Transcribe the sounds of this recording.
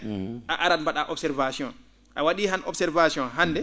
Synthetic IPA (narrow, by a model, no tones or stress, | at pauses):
ʔaʔaɾadmbaɗaʔɔbsɛɾvasiɔn | ʔawaɗiɦanʔɔ̰bsɛɾvasiɔnɦanːdɛ